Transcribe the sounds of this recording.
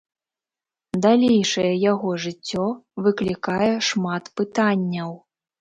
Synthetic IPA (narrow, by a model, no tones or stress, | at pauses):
d̪alʲejʂɐjɛjaɣɔʐɨt͡sʲːɔvɨklʲikajɛʂmat̪pɨt̪anʲːɐw